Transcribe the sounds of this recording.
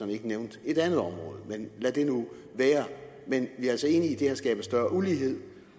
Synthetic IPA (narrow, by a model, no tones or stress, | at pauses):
ɒne̝ɡəneʊnd̥e̝ɾ̥ænðˠɒ̽mʁɔ̽ːð̞ˠmenlæd̥e̝nu | ʋæːɐ | menʋiæɐælsɒe̝ːniːd̥e̝æsɡ̥ɛ̰ːb̥əsd̥ɶɐuliːɦe̝ð̞̰ˠ